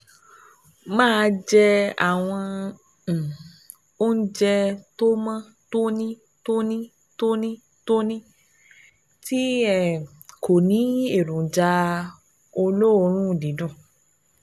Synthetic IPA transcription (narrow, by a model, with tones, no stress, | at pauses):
mãː˦˧˦d͡ʒɛ˧a̰˦˨w̃ɔ̃˧˨ | o˦n̩˦d͡ʒɛ˧to˦mã˦ | to˦nĩ˦ | to˦nĩ˦ | to˦nĩ˦ | to˦nĩ˦ | ti˦ɛ˨ | kʰo˨nĩ˨˦e˦˨ɾũ˨d͡ʒa˧ | o˧lo˦o˧˦ɾ̃ũ˦˨dĩ˨˦dũ˦˨